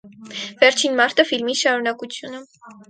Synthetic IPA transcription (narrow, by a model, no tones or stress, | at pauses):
vɛɾt͡ʃʰinmɑɾt̪ʰəfilmiʃɑɾunɑkut͡sʰjunə